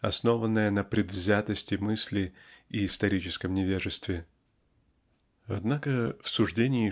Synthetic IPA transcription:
ɐ̰sno̞vənːəjənəpɾʲɪd̪vzʲat̪əsʲtʲɪmɨsʲlʲɪiːst̪ɐɾʲit͡ɕɪskəmnʲɪvʲeʐɨst̪vʲɪ | ɐ̰d̪nakəfsʊʐdʲenʲɪ

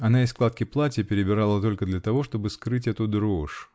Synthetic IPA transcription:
ɐnaɪsklˠat̪kʲɪplˠatʲɪpʲɪɾʲɪbʲɪɾalˠət̪o̞lʲkəd̪lʲɐt̪ɐvo̞ʂt̪o̞bɨskɾɨtʲɛt̪ʊd̪ɾo̞ʂ

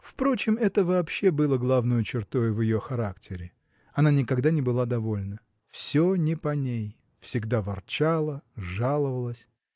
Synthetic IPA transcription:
fpɾo̞t͡ɕɪmɛt̪əvɐːpɕːe̞bɨlˠəɡlˠavnəjʊt͡ɕɪrt̪o̞jvʲjɪjo̞xɐɾaktʲʰɪɾʲɪ | ɐnanʲɪkɐɡd̪anʲɪbɨlˠad̪ɐvo̞lʲnə | fsʲonʲɪpɐnʲej | fsʲɪɡd̪avɐrt͡ɕalˠəʐalˠəvəlˠəsʲ

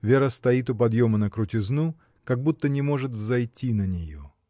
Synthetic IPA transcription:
vʲeɾəst̪ɐit̪̬ʊpɐd̪jomənəkɾʊtʲɪznu | kɐɡ̚but̪ːənʲɪmo̞ʐɨt̪vzɐjtʲʰːinənʲɪjo

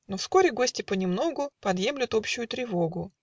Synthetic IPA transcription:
nofsko̞ɾʲɪɡo̞sʲtʲɪpənʲɪmno̞ɡʊpɐd̪jemlʲɪt̪o̞pɕːʊjʊt̪ɾʲɪvo̞ɡʊ

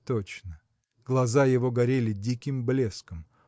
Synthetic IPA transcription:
t̪ot͡ɕnə | ɡ̥lˠɐzajɪvo̞ɡɐɾʲelʲɪdʲikʲɪmblʲeskəm

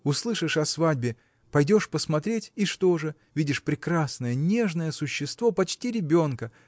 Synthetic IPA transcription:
ʊslˠɨʂɨʂɐsvadʲbʲɪ | pɐjdʲo̞ʂpəsmɐt̪ɾʲetʲɪʂt̪o̞ʐɨ | vʲidʲɪʂpɾʲɪkɾasnəjənʲe̞ʐnəjəsʊɕːɪst̪vo̞pɐt͡ɕtʲiɾʲɪbʲo̞nkə

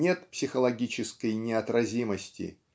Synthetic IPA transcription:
nʲe̞t̪psʲɪxəlˠɐɡʲit͡ɕɪskəjnʲɪɐt̪ɾɐzʲiməsʲtʲɪ̰

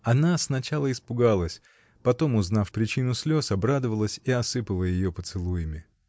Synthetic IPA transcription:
ɐnasnɐt͡ɕalˠəɪspʊɡalˠəsʲ | pɐt̪o̞mʊznafpɾʲɪt͡ɕinʊsʲlʲo̞sɐbɾad̪əvəlˠəsʲiɐsɨpəlˠəjɪjo̞pət̪sɨlˠujɪmʲɪ

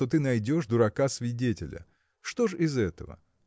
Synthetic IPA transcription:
t̪o̞t̪ɨnɐjdʲo̞ʂd̪ʊɾɐkasvʲɪdʲetʲɪlʲə̰ | ʂt̪o̞ʐɪzɛt̪əvə̰

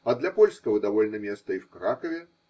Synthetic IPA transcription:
ɐd̪lʲɐpɔlʲskɐvɐd̪avɔlʲnɐmʲɛst̪ɐiwkɾakɐvʲɛ

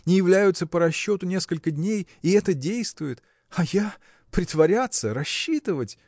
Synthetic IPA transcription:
nʲɪjɪvlʲæjʊt̪səpəɾɐɕːo̞t̪ʊnʲe̞skəlʲkədʲnʲejɪɛt̪ədʲejst̪vʊjɪt̪ | ɐja | pɾʲɪt̪vɐɾʲat̪səɾɐɕːit̪ɨvətʲ

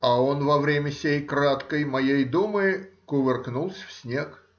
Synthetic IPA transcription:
ɐonvɐvɾʲemʲəsʲejkɾat̪kəjmɐjejd̪umɨkʊvʲɪrknulˠsʲfsʲnʲe̞k

